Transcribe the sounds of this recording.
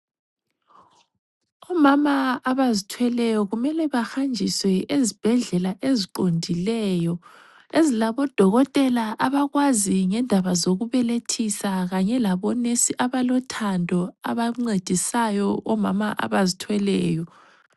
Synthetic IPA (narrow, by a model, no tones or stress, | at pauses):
ɔmamaːβazitʰwɛlɛjɔɣumɛlɛβaxand͡ʒʱiswɛezib̥ʱɛɮɛlaʔeziǃondʱilɛjɔ | ezilaβɔd̥ʱɔɣɔtʼɛlaʔaβaɣwaziŋɛndʱaβazoɣuβɛletʰisaɣaɲɛlaβɔnesiʔaβalɔtʰandʱɔaβaŋ͡ǀed̥ʱisajɔʔɔmamaʔa̰βazitʰwɛlɛːjɔ